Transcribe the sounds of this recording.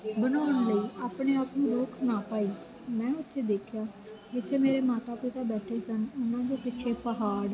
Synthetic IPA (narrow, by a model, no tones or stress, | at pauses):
bənaːəɳləiːʔaːpɳeːaːpnũːɾʊːkʰnaːpaːiː | mɛ̃ːʊt̪ʰːeːd̪eːkʰjaː | d͡ʒɪt̪ʰːeːmeːɾeːmaːt̪aːpɪt̪aːbɛːʈʰeːsənʊnãːd͡ʒoːpɪːt͡ʃʰeːpəɦaːɽ